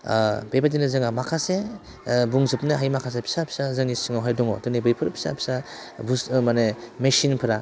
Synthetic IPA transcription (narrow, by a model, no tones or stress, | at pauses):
bepat̬inɯzɯŋamakʰase | buŋzɯp̚nɯɦajmakʰas̬epʰi̥sapʰi̥sazɯŋnisɯŋawɦajdɔŋɔ̰tɔnibɯjpʰɯɾpʰi̥sa̰pʰi̥sabusmanemesinpʰɯɾa